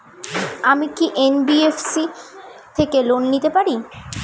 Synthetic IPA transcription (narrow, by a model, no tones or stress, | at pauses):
amikiʔenbiefsit̪ʰekelonːit̪epaɾi